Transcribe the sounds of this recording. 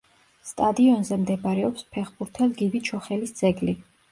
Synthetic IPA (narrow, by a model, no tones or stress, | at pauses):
st̪ʼad̪iɔnzɛmd̪ɛbaɾɛɔpspʰɛχbuɾt̪ʰɛlɡibit͡ʃʰɔχɛlisd̪z̥ɛɡli